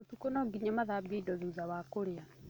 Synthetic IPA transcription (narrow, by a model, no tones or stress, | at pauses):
otukonɔɡiɲamaðaːbieidɔðuːðawakoɾea